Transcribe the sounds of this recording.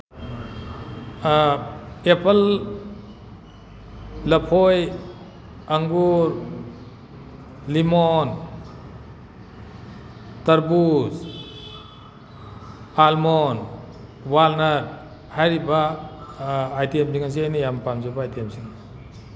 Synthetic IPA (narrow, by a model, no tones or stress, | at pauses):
epʰəl | lɐpʰoj | aŋɡuɾ | limɔn | tɐɾbus | almɔn | walnəɾ | hajɾiba | jtiemsiŋas̬iajnijampamzabaːjtiemsiŋ